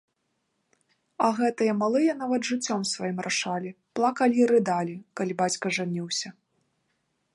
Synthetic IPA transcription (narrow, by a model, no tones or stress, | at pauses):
ɐɣɛt̪ɨjɐmalˠɨjɐnavɐd̪ʐɨt͡sʲːɔmsvajimɾʔaʂalʲi | plˠakɐlʲiɾɨd̪alʲikalʲibat͡sʲkɐʐanʲiwsʲɐ